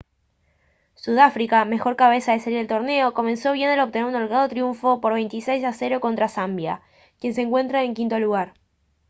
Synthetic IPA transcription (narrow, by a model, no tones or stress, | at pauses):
suð̞afɾikame̞xo̞ɾkaβ̞e̞saðeseliɾelt̪o̞ɾne̞o̞ko̞mẽ̞nsoβ̞je̞nalo̞β̚t̪e̞ne̞ɾunolɣað̞ot̪ɾjuɱfo̞po̞ɾβe̞jnt̪isejs̬ase̞ɾo̞ko̞nt̪ɾasambja̰ | kje̞ns̬eŋkwe̞nt̪ɾaeŋkint̪o̞luɣ̞aɾ